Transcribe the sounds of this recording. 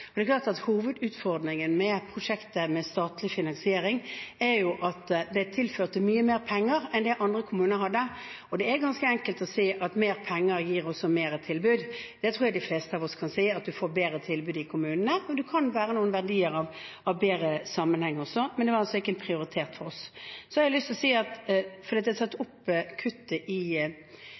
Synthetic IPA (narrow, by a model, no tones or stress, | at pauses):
ɔd̪ɛklɑːʁt̪ɑt̪huːʋəd̪ʉːt̪fɔɾd̪nɪŋənmɛpʰʁʊʂɛkt̪əmɛst̪ɑːt̪lɪfɪnɑnsɪeːɾɪŋæɾjʊʔɑt̪d̪ɛt̪ʰɪlføːʁt̪əmyːəmeːɾpʰɛŋːəɾɛnd̪ɛʔɑnd̪ʁəkʰʊmʉːnəɾɦɑd̪ːə | ɔd̪ɛæɾɡɑnskəɛŋkəlt̪ɔsiːʔɑt̪meːɾpʰɛŋːəɾjiːɾɔsːɔmeːɾət̪ʰɪlbʉːd̪d̪̥ɛt̪ʰɾuːjɑd̪ɪfleːst̪əɑʋɔskʰɑnsiːɑt̪̚d̪ʉfoːɾbeːɾət̪ʰɪlbʉːd̪ɪkʰʊmʉːnənəɔd̪ʉkʰɑnʋæːɾənuːənʋæʁɖiːəɾɑʋ | ɑʋbeːɾəsɑmːənhɛŋːɔsɔmɛnd̪ɛʋɑɾɑlsɔɪkːəɛnpʰɾɪʊɾɪt̪ʰeːt̪fɔɾɔssɔhɑɾɪlʏst̪lɔsiːɑt̪fɔd̪iːt̪ɪhɑsɛt̪ːʊpːkʰʉt̪ːəʔɪ